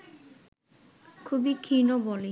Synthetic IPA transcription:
kʰubikʰinobɔle

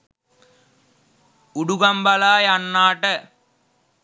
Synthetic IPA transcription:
uɽuɣɐmbɐlaːjɐnːaːʈːɐ

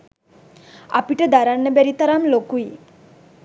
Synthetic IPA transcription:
a̰piʈəd̪aɾanːəbæɾit̪aɾamlokui

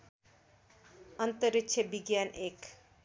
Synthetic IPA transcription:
ənt̪əɾikt͡ʃʰəbiɡjanek

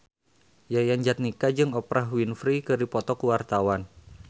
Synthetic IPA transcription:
jajand͡ʒat̪̚nikad͡ʒɨŋɔpɾʔaɦwinfɾikɨrdipɔt̪ɔkuwart̪awan

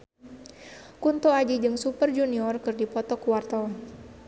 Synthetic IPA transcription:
kunt̪ɔad͡ʒid͡ʒɨŋsupərd͡ʒuniɔrkɨrdipɔt̪ɔkuwart̪ɔ

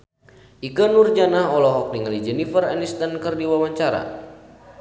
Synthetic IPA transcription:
ʔiɡanurd͡ʒanaɦɔlɔɦɔk̚niŋalid͡ʒɛnifəra̰nist̪ankərdiwawaɲt͡ʃaɾa̰

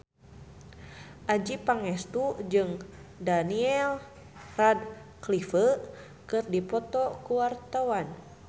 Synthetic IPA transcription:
ʔad͡ʒipaŋɛst̪ud͡ʒɨŋdaniɛl | rad̚klifə | kɨrdipɔt̪ɔkuwart̪awan

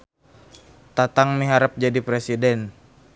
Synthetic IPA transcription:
t̪at̪aŋmiɦaɾəp̚d͡ʒadipɾesidɛn

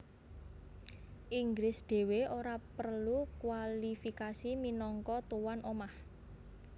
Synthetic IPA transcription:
ʔiŋɡɾɪsɖ̪̥e̤weoɾapərlukwalifikasiminɔŋkɔt̪uwanʔomah

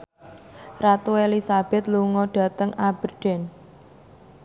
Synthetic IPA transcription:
rat̪uelisab̥ɛ̤t̪̚luŋɔɖ̥ä̤t̪əŋʔab̥ə̤ɖ̥ɛ̤n

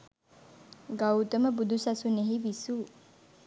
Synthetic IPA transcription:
ɡawt̪əməbud̪usɐsuneɦiʋisuː

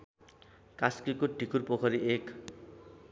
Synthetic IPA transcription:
kaskikoʈikʰurpokʰʌɾiʔek

